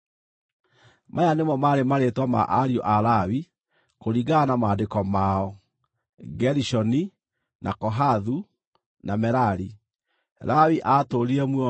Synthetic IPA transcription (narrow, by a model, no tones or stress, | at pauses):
mʔajanemɔmaɾemaɾetwama̰ʔaɾioʔaɾawi | koɾiɡaːnamadekɔmaɔ | ɡɛɾiʃɔni | nʔa̰kɔɦaðu | namɛɾaɾi | ɾawiʔatoɾiɛmwɔ